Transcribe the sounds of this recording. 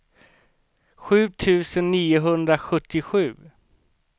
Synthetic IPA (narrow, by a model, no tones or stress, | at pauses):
ɧʉ̟ːt̪ʰʉ̟ːsənːiːʊɦɵnd̪ɾaɧɵt̪ːɪɧʉ̟ː